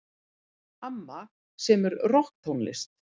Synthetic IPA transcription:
amːa | sɛmɛɾrɔhk̚t̪ʰownlɪ̰st̪

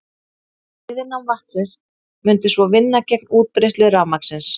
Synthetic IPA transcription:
ɪðɪnamvaht̪sɪns | mʏnt̪ɪsvɔvɪnːacɛk̚nuːt̪̚pɾejst̪lʏɣrawmaksɪns

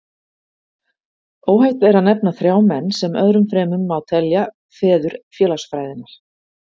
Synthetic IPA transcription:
oːwhajht̪vɛɾaðnɛpnaθɾjaːwmɛnːsɛmœðɾʏmfɾɛːmʏmːawt̪ʰɛlja | fɛːðʏɾfjɛːlasfɾaːjðɪnaɾ̥

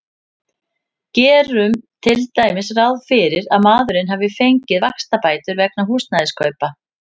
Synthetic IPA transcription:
cɛːɾʏmt̪ʰɪlt̪aːjmɪsrawðfɪɾɪɾaðmaːðʏɾɪnɦavɪfejɲcɪðvakst̪apaːjt̪ʏɾvɛknaɦuːst̪najðɪskʰœːɥpa

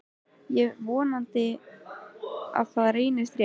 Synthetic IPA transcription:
jɛɣvɔːnant̪ɪ | a̰ðfaɾeːjnast̪ɾ

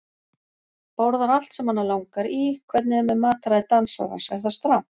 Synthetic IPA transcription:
powɾðaɾal̥t̪sɛmhanːalawŋkaɾikʰvɛt̪nɪɛmɛðmaːt̪aɾaðɪt̪ansa̰ɾa̰sɛɾ̥θast̪ɾaw

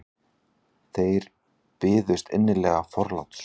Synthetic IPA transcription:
θejɾ̥ | pɪːðʏst̪ɪ̰nːɪlɛɣafɔɾla̰wt̪s

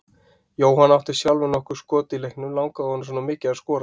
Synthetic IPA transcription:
joːwɦanawt̪ʏ̥sjalvʏnɔhkʏɾ̥skɔːt̪ɪlɛhknʏmlawŋkaðhɔnːs̬ɔːnamɪːcɪaðskɔːɾa

